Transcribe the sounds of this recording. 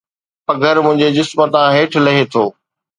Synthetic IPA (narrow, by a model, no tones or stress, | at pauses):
pɐɡʱəɾmʊ̃ɦɪ̃ɲd͡ʑed͡ʑɪsmət̪ãɦeːʈʰlɐɦet̪ʰoː